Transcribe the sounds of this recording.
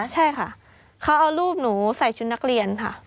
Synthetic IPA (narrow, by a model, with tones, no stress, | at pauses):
t͡ɕʰa˥˩jkʰa˥˩ʔ | kʰa˦˥wʔa˧wɾuː˥˩p̚nuː˩˦sa˨˩jt͡ɕʰu˧nːa˦˥k̚ɾi˧ənkʰa̰˥˩